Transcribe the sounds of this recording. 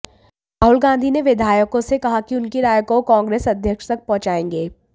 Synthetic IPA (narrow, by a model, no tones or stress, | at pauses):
ɾaːɦʊlɡãːnd̪ʱineʋɪd̪ʱaːjəkõsekɐɦakiʊnkiɾaːjkokãːŋɡɾeːsɐd̪ʱjəkʃt̪ɐk̚pɔ̃ɦt͡ʃaːẽːŋɡeː